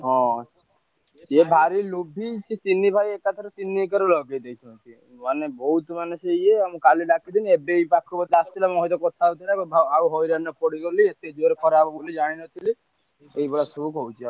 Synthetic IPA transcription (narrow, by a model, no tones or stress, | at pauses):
ɦɔ̃ | d͡ʒebʱaɾilubʱit͡ʃit͡ʃinːibʱajekat̪ʰɔɾɔt͡ʃinːikaɾɔlɔɡejd̪ejt͡ʃʰɔnt̪i | manebɔɦut̪manusejeamũkaliɖakʰid̪iniebejpakʰːɾubɔt̪east̪ʰilamɦɔjt̪ɔkɔt̪ʰat̪ʰilabɔbʱaauɦɔjɾanɔpɔɽikɔliet̪ed͡ʒoɾekɔɾabubulid͡ʒaɽ̃inɔt̪ʰili | ejbɔɽasuukɔut͡ʃʰia